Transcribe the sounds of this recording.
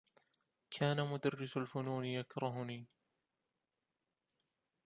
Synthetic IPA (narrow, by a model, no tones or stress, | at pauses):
kʰaːnamʊd̪arːɪsalfʊnuːnɪjakɾˤɑɦʊniː